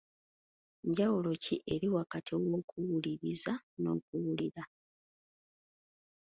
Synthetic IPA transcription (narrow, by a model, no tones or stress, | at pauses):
ɲɟawulo̞ciʔe̞ɾiwakatʰiwo̞ːkuwuliβizano̞̰ːkuwuliɾa